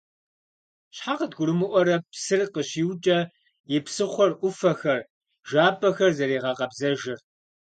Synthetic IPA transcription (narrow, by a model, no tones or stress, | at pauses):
ɕħaqədɡʷʊɾɨmɨʔʷɔɾɐpsɨrqəɕiːwt͡ʃʼɐ | jɪpsɨχʷɔrʔʷʊfɐxɐr | ʒaːpʰʼɐxɐrzɐɾiːʁɐqɐbzɐʒɪr